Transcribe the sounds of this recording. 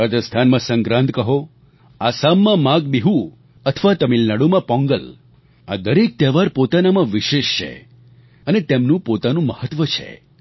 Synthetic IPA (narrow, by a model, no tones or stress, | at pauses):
ad͡ʒ̪əst̪ʰanmãsə̃ŋɡɾãnt̪kəɦo | asamːãmãɡbiɦu | ət̪ʰəʋat̪əmilnaɽumãpɔ̃ŋɡəl | a̰d̪əɾek̚t̪ɛʋaɾpot̪anamãʋiʃeʃt͡ʃʰḛ | ənet̪emnũpot̪anũməhət̪ːʋət͡ʃʰḛ